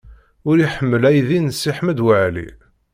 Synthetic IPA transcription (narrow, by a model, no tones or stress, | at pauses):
ʊɾiħəmːəlæjðinəsːiħməd̪wəʕlḭ